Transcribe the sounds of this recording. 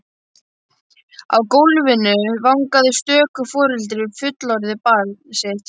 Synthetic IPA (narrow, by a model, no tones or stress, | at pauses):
a̰wkowlvɪnʏvawŋkaðɪst̪œːkʏfɔːɾɛlt̪̬ɾɪʏɾfʏt̪lɔɾðɪpalset̪